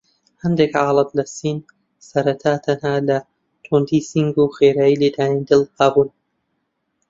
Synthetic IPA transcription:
hɐnd̪ekʕɑːlˠɨd̪lɐsiːn | sɐɾɐt̪ʰaːt̪ʰɐnhaːlɐ | t̪ʰund̪iːsiŋɡuxeːɾaːjiːled̪aːnid̪ɨlqaːbuːn

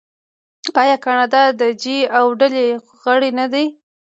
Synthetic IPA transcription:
ɑjɑkɑnɑd̪ɑd̪əd͡ʒiawɖale | ɣəɽenad̪aj

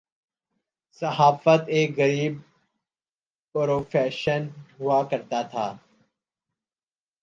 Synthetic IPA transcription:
səɦaːfət̪eːkɣəɾiːb̚ | pɾoːfeːʃənɦʊakɐɾt̪at̪ʰa̰ː

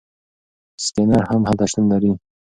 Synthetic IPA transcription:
skenaɾhamhat̪aʃt̪unlaɾi

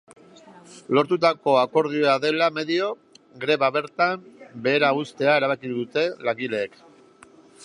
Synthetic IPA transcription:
lo̞ɾt̪ut̪̬ako̞ako̞ɾð̞ioaðe̞lame̞ðio̞ | ɡɾe̞βaβe̞ɾt̪ambe̞ːɾaust̪e̞ae̞ɾaβ̞akiðut̪e̞laŋɡile̞ːk

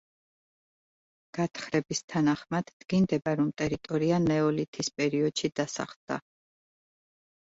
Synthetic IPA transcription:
ɡ̥at̪ʰχɾɛbist̪ʰanaχmad̪̥ːɡ̥ind̪ɛbaɾɔmt̪ʼɛɾit̪ʼɔɾianɛɔlit̪ʰispʼɛɾiɔd̪̥ʃid̪̥asa̰χd̪̥a̰

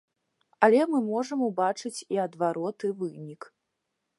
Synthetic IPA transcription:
ɐlʲɛmɨmɔʐɐmubat͡ʂɨt͡sʲiɐd̪vaɾɔt̪ɨvɨnʲik

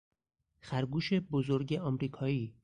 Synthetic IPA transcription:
xæɾɡuːʃe̞bozoɾɟeʔɒmɾiːkʰɒːiː

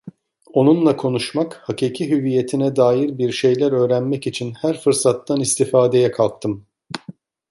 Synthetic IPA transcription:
o̞nunlˠakʰo̞nuʃmakhaciːcʰiɦyvije̞t̪ʰinɛd̪aːjiɾbiɾʃe̞jlʲæɾø̞ːɾænmɛcit͡ʃʰinhæɾfɯɾsat̪ːanist̪ʰifaːd̪e̞jɛkʰalˠk̚t̪ʰɯm

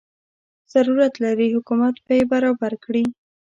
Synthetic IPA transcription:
z̥aɾuɾat̪laɾihʊkumat̪bajebaɾɑbaɾkɽi

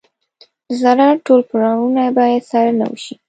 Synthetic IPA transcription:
zaɾɑʈolpɾoɡɑmunabɑjad̪sɑɾana̰wə̰ʃi

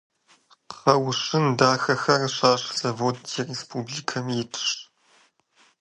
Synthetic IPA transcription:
qɐwɕɪndaːxɐxɐrɕaːɕz̥ɐvoːdtʰirespʰuːbliːkʰɐmjɛtʰɨ̥ʃt

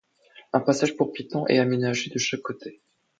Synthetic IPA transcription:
ɛ̃pasaʒpuʁpʲit̪ɑ̃ʔɛ̰amenaʒed̪əʃakːot̪ʰe

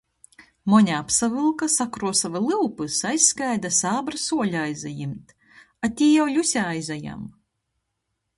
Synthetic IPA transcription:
mɔɲʲaapsavɨlˠkasakɾuɔsavalˠɨwpɨsajskajd̪asaːbɾɨsuɔlʲajzajimt̪ | at̪ʲiːjawlʲusʲaajzaja̰m

